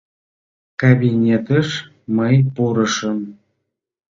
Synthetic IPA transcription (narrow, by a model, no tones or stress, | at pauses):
kabʲinʲet̪əʃ | məjpuɾə̆ʃəm